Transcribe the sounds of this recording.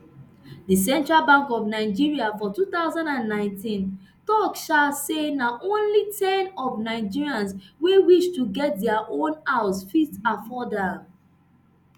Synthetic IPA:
dəs̬ɛ̃ntɹalbãŋkɔvnaɪd͡ʒiɹiafɔtuθaʊzãndãnːãɪ̃ntʰĩn | tɔkʃalsenaʔõnlitʰɛ̃nɔvnaɪd͡ʒiɹiãnswewiʃtuɡɛt̚dɛaʔõnaʊsfistafɔda

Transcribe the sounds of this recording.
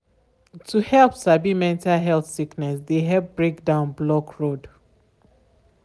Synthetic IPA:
tʰuhɛlˠpsabimɛ̃ntalɦɛlθsiknɛsdeɦɛp̚bɹek̚dãʊ̃nblɔkʰɹod

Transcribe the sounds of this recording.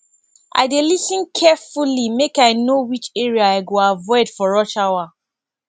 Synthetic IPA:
ʔa̰ɪdelisĩnkʰɛfulimekaɪnowit͡ʃɛɹiaaɪɡoavɔɪdfɔɹɔt͡ʃawa

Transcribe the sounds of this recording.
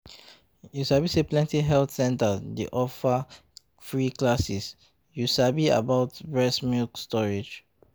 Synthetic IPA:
jusabiseplɛ̃ntiɦɛltsɛ̃ntədḛʔɔfa | fɹiklasis | juʃabia̰baʊtbɹɛsmilkstɔɹed͡ʒ

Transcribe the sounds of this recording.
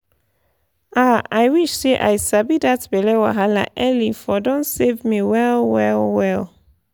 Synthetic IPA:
aajwiʃseʔa̰jsabidatbɛlɛwa̰ɦalaʔɛlifɔdɔ̃nsevmiwɛlwɛlwɛl

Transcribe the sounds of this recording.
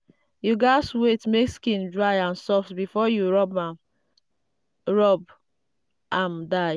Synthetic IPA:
juɡaɪswetmekskĩndɹaɪãnsɔftbifɔjuɹɔbam | ɹɔb | ʔãmdaɪ

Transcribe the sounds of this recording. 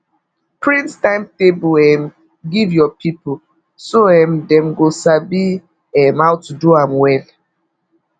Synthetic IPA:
pɹĩnstãɪmtebuɛm | ɡivjɔpʰipo | soɛ̃mdɛ̃mɡosabi | ɛmawtuduãmwɛl

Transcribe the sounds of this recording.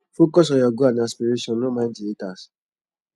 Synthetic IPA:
fokɔs̬ɔjɔɡuanaspiɾeʃɔ̃nnomãɪ̃ndietas

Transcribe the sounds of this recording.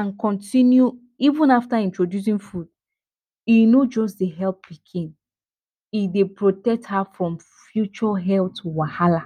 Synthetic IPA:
ãnkɔ̃ntʰĩnju | ivũnaftaĩntɹodjus̬ĩnfud | inod͡ʒɔsdeɦɛlp̚ːikʰĩn | idepɹotɛk̚thafɹɔ̃m | fjut͡ʃɔɦɛltuwahala

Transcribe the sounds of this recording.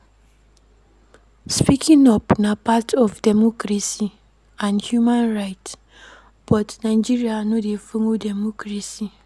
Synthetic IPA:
spikʰiŋɔpnapatʰɔfdemɔkɾasi | ãnhjumanɾaɪt | b̥ɔtnaɪd͡ʒiɾianʊdefoŋodemokɾasi

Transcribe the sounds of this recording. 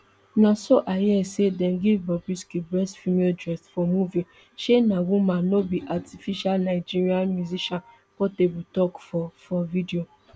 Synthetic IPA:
nãsoʔajɛsedɛ̃nɡivbɔbiskibɹɛsfimeldɹɛsfɔmuvi | ʃenãwũmãnobiʔatifiʃalnaɪd͡ʒiɹianmjuziʃãn | fɔtebutɔkfɔfɔvidio

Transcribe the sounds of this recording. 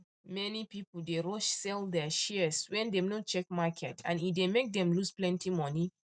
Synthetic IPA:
mɛnipipl̩deɹɔʃsɛldɛʃiswɛ̃ndɛmnot͡ʃɛk̚makʰɛtʰãnifdemek̚dɛ̃mlusplɛ̃ntimɔni

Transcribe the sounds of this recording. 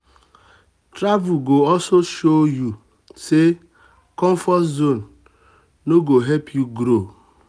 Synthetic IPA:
tɾavuɡoɔsoʃoju | se | kɔɱfɔszon̩ | noɡoɦepʰjuɡɾo

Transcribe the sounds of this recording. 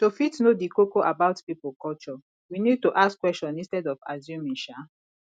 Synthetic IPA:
tofitnodikokoʔabaʊtpipolkɔt͡ʃɔ | winid̚tuʔaskwɛst͡ʃɔ̃nĩnstɛdɔfazjũmĩnʃa

